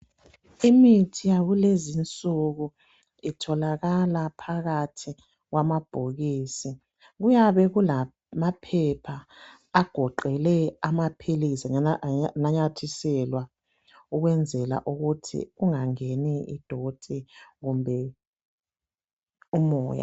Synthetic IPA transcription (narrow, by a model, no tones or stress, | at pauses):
imitʰijaɣulezint͡sʼuɣu | itʰɔlaɣalapʰaɣatʰi | ɣwamab̥ʱoɣiːsi | ɣujaβɛɣula | mapʰɛpʰaː | ɡ̥ʱɔǃɛlɛamapʰilisiŋnaɲatʰisɛlwa | uɣwɛnd͡zʱɛla̰ʔuɣutʰḭɣuŋaŋeniḭd̥ʱod̥ʱiɣumbʱɛ | umɔ̰ːja̰